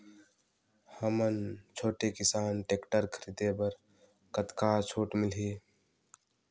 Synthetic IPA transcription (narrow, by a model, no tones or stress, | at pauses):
həmənt͡ʃʰoːʈekɪsaːnʈeːkʈəɾkʰəɾid̪ebəɾ | kət̪kat͡ʃʰoːʈmɪlɦe